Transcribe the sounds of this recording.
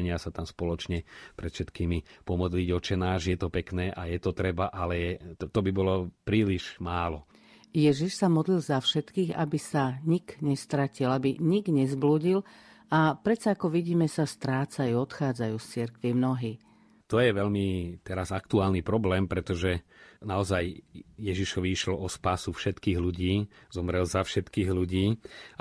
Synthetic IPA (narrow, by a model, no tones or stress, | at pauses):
ɲɪasat̪amspɔlɔt͡ʃɲɛpɾɛt̪fʃɛt̪kiːmipɔmɔd̪liɟɔt͡ʃɛnaːʒjɛt̪ɔpɛknɛːʔajɛt̪ɔt̪ɾɛbaʔalɛɛt̪ɔbibɔlɔpɾiːliʒ̥maːlɔ | jɛʒiʃsamɔd̪lilzafʃɛt̪kiːɣa̰bisaɲikɲɛst̪ɾacilabiɲiɡɲɛzbluːɟil | apɾɛt͡saakɔʋiɟiːmɛsast̪ɾaːt͡sajuːɔt̪xaːd͡zajuːst͡siɾkʋimnɔɦiː | t̪ɔjɛʋɛʎmit̪ɛɾazakt̪uaːlnipɾɔblɛːmpɾɛt̪ɔʒɛnaɔzajjɛʒiʃɔʋiiʃlɔɔspaːsufʃɛt̪kiːɣluɟiːzɔmɾɛlzafʃɛt̪kiːɣluɟiː